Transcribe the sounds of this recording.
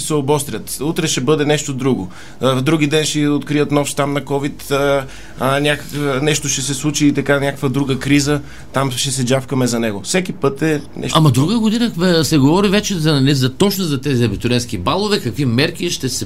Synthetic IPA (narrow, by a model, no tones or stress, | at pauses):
sɛobɔst̪ɾʲət̪ut̪ɾɛʃɛbɤd̪ɛnɛʃt̪od̪ɾuɡo | d̪ɾuɡid̪ɛnʃɛot̪kɾiət̪nɔfʃt̪amnɐkɔvit̪ː | nʲakəknɛʃt̪oʃɛsɛslˠut͡ʃiːt̪ɐkanʲakəkvəd̪ɾuɡəkɾizə | t̪amʃɛsɛd͡ʒafkɐmɛzɐnɛɡofsɛkipɤt̪ɛnɛ̰ʃamɐd̪ɾuɡəɡod̪inəsɛɡovɔɾivɛt͡ʃɛzɐnɛzɐt̪ɔt͡ʃnozɐt̪ɛziɐbit̪ʊɾʲɛnsk̟ibalˠovɛkɐkvimɛɾk̟iʃt̪ɛsɛ